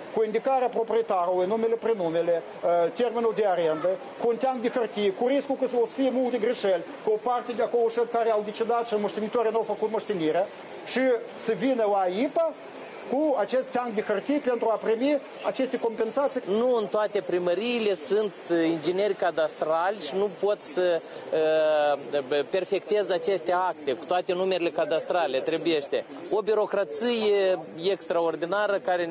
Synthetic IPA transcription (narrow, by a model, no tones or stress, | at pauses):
kuind̪ikaɾeapɾo̞pɾiet̪aɾulujnumelepɾenumʲele | t̪erminuld̪eaɾend̪ə | kuːnt̪ʲaŋɡd̪exərt̪ijekuɾiskulkəsəoskijemulˠt̪eɡɾiʃelʲkuopart̪ed̪eakoloʃəlʲkaɾeawd̪et͡ʃed̪at̪ʃiməʂt̪emit̪oɾinawfəkut̪məʂt̪eniɾea | ʃi | səvinəaipa | kuat͡ʃe̞st̪ːʲaŋd̪exərt̪ijpe̞nt̪ɾuapɾimi | a̰t͡ʃe̞st̪eko̞mpe̞nsat̪sijnuɨnt̪oat̪e̞pɾiməɾiːle̞sunt̪ind͡ʒene̞rʲkad̪ast̪ɾalʲʃinupo̞t̪sə | pe̞rfe̞kt̪e̞zat͡ʃe̞st̪e̞ak̚t̪e̞ku̥t̪oat̪e̞numeɾile̞kad̪ast̪ɾalʲe̞t̪ɾe̞buje̞ʃt̪e̞ | o̞biɾo̞kɾat̪sijeekst̪ɾao̞rd̪inaɾəkaɾe